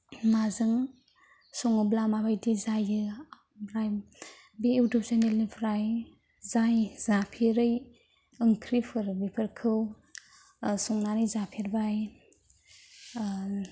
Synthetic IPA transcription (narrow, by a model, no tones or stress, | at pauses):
nazɯŋ | sɔŋɯblamabajdizajɯ | bɾaj | beːwdɔpsanelnibʰɾaj | zajzapʰiɾɯj | ɯŋkʰɾipʰɯɾbipʰɯɾkʰɯw | sɔŋnanijzapʰiɾbaj